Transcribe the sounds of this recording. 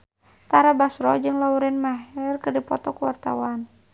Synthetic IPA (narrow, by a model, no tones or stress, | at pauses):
t̪aɾabasɾɔd͡ʒɨŋlauɾɛnmaɦɛrkərdipɔt̪ɔkuwart̪a̰wan